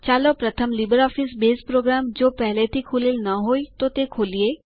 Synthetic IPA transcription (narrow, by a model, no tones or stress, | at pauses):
t͡ʃaːlopɾɐt̪ʰəmlibəɾɔːfɪsbeːspɾoːɡɾaːmd͡ʒoːpɛɦlet̪ʰikʰuːlilnɐɦoːit̪ot̪ekʰoːlieː